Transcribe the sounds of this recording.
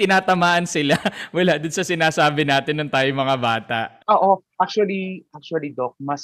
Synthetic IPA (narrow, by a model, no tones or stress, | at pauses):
t̪ɪnaːt̪ɐmaːʔɐnsɪlawɐlaʔd̪onsɐsɪnaːsaːbɪnaːt̪ɪnːʊŋt̪aːjoŋmɐŋabaːt̪ɐ̰ʔʔoːʔoʔak̚t͡ʃuɐliʔak̚t͡ʃuɐlid̪ok̚mɐs